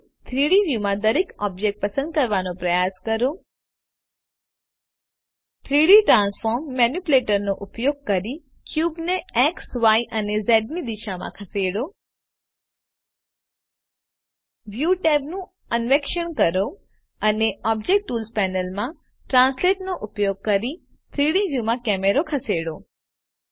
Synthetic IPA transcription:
t̪ʰɾiɽiʋjumãd̪əɾekɔb̚d͡ʒek̚ʈ̚pəsə̃nd̪̚kəɾʋanopɾəjaskəɾo | t̪ʰɾiɽiʈɾãnsfɔɾmːɛnjupleʈəɾnoʔupjoɡ̚kəɾi | kjubneɛksʋaiʔənezɛɖ̚nid̪iʃamã̰kʰəseɽo | ʋjuʈɛbnũ | ənʋekʃəɳkəɾo | əneɔb̚d͡ʒek̚ʈʈːuːlspɛnəlmã | ʈɾãnsleʈnoʔʊpjoɡ̚kəɾi | t̪ʰɾiɽiʋjumãkɛmeɾokʰəseɽo

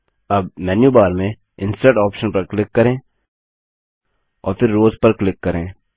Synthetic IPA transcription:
ɐb̚mɛːnjubaːɾmẽ | ɪ̃nsʈeːʈɔːpʃənpɐɾklɪkːɐɾẽː | ɔ̰ːɾfʰɪɾːoːzpɐɾklɪkːɐɾẽː

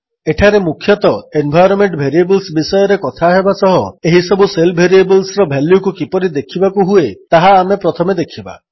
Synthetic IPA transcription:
eʈʰaɾemukʰjɔt̪ɔenbʱajɾɔmeɳʈbʱeɾiebɔlsbisɔjɔɾekɔt̪ʰaɦebasɔɦɔeɦisɔbuselbʱeɾiebɔlsɾɔbʱaljukukipɔɾid̪ekʰibakuɦuet̪aɦaːmepɾɔt̪ʰɔmed̪ekʰiba̰

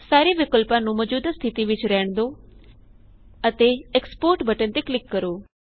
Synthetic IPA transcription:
saːɾiʋɪkʊlpãnũmɔd͡ʒuːd̪st̪ʰɪt̪iʋɪt͡ʃɾɛɦəɽ̃d̪o | ət̪eːkspoːɾʈbʱəʈənt̪eklɪkːəɾoː

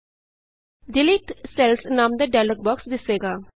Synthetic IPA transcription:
ɖɪliːʈ̪sɛlsnaːmd̪əɖɛːlək̚bɔːksd̪ɪsːeːɡaː

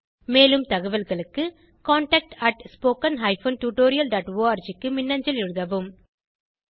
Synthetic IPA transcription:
meːlɯmt̪ɐɣɐʋɐlɣɐɭɯkːɯ | kaːɳʈɐk̚ʈɐʈspoːkɐnɦɐɪfoːnʈuːʈoːɾɪjɐlɖaːʈʋoːaːɾd͡ʒɪkːɯmɪnːɐɲd͡ʒɐlɪɻɯðɐʋɯm

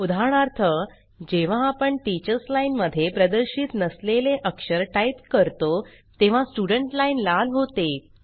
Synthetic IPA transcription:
ud̪ʱaɳ̃aɾt̪ʰə | d͡ʑeʋ̤ãːpəɳʈit͡ɕəɾslainməd̪ʱːjepɾəd̪əɾɕit̪nəsleleʔəkʂəɾʈait̪kəɾt̪o | t̪eʋ̤ãsʈuɽəɳʈlainlalɦot̪e

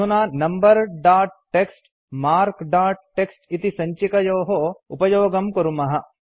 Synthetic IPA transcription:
unaːnɐmbɐɾɖaːʈ̚ːeksʈ | maːɾkɖaːʈ̚ʈːeksʈit̪isɐɲt͡ʃikɐjoːɦoupɐjoːɡɐmkɐɾumɐɦɐ

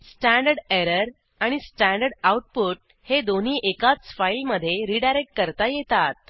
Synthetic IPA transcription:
sʈæ̃ɳɖəɾɖeɾəɾ | aɽ̃isʈæ̃ɳɖəɖawuʈ̚puːʈ̚ | hed̪on̤iːʔekat͡sfajilməd̪ʱːjeɾiːɖajɾek̚ʈ̚kəɾt̪ajet̪at̪̚

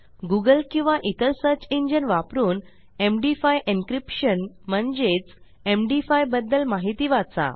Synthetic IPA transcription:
ɡuɡəlkĩw̃ʋaʔit̪əlsəɾt͡ɕiɲd͡ʑənʋapɾuːn | emɖifajʔinkɾipɕən | m̤əɳd͡ʑet͡s | emɖifajbəd̪ːəlmaɦit̪iːʋat͡sa̰

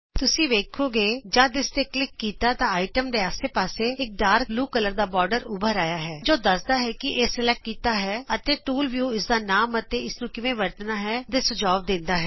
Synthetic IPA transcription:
t̪ʊsĩːʋeːkʰoːɡeːd͡ʒãːd̪ɪst̪eːklɪkːiːt̪aːt̪ãːaːɪʈəmd̪eːaːseːpaːseːɪk̚ɖaːɾbluːkələɾd̪aːbɔːɾɖəɾʊbʱəɾaːjaːɦɛːd͡ʒoːd̪əsd̪aːɦɛːkɪʔeːsɪlɛkkiːt̪aːɦɛːət̪eːʈuːlʋjuːɪsd̪aːnaːmət̪eːɪsnũːkɪʋẽːʋəɾt̪ənaːɦɛːt̪eːsʊd͡ʒaːʋd̪ɪ̃nd̪aːɦɛː

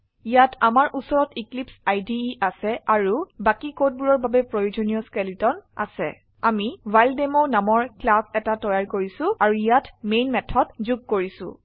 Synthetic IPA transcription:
ijatʰamaɹʔusɔɹɔtiklipsajdiʔasɛaɹubakikot̚buɹɔɹbabɛpɹɔjod͡ʒonijɔskɛlitɔna̰sɛ̰ | amivajldemonamɔɹklabɛtatɔjaɹkoɹisʊ̃aɹuijatmejnmɛtʰɔtzuɡ̚kːoɹisʊ̰̃

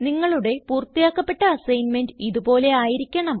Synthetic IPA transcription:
niŋːɐɭuɽe̞puːrt̪ːijaːkːɐpːe̞ʈːɐɐsɐjnmendɨiðubo̞ːle̞aːjiɾikʲːɐɳɐm

